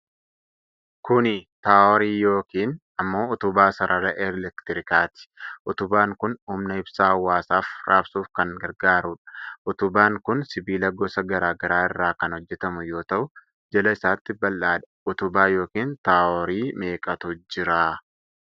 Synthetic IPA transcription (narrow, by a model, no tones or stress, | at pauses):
kʊnɪt̪aːʔɔɾiːjo̞ːkiːn | ɐmːo̞ːʊt̪ʊbaːsɐɾʔɐɾɐʔɛɾlɛkt̪ɪɾɪkaːt̪ɪ̥ʔʊt̪ʊbaːŋkʊnumnɐɪbsaːhɐwːaːsaːfɾʔaːbsuːfkɐŋɡɐɾɡaːɾuːᶑɐ̥ʔʊt̪ʊbaːŋkʊnsɪbiːlɐɡɔsɐɡɐɾaːɡɐɾaːɪrːaːkɐnhɔd͡ʒːɛt̪ɐmʊjo̞ːt̪ɐʔʊ | d͡ʒɛlɐɪsaːt̪ːɪbɐlːaːᶑɐ̥ʊt̪ʊbaːjo̞ːkiːnt̪aːɔɾiːme̞ːkʼɐt̪ʊd͡ʒɪɾaː